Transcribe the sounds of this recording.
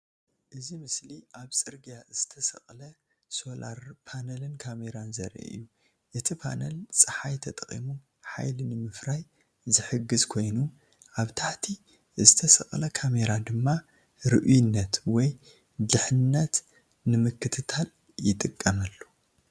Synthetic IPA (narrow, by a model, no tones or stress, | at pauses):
ʔɨzimɨsliʔaβt͡sʼɨɾɡijaz̥ɨt̪ʰɐsɐ̰χʼlɐ | so̞la̰ɾpʰanɐlɨnkʰame̞ɾanzɐ̰ɾʔɨ̰jːu | ʔɨt̪ʰipʰa̰nɐlt͡sʼɨħajt̪ʰɐt̪ʼɐχʼḭmu | ħa̰jlinɨmɨfɾaj | zɨħɨɡɨzkʰo̞jnu | ʔaβt̪ʰaħt̪ʰi | zɨt̪ʰɐsɐ̰χʼlɐkʰame̞ɾad̪ɨmːa | ɾɨʔujɪnːɐt̪wɔj | d̪ɨħɨnːɐt̪ | nɨmɨkʰːɨt̪ʰɨt̪ʰal | jɪt̪ʼɨkʼːɐmɐlːu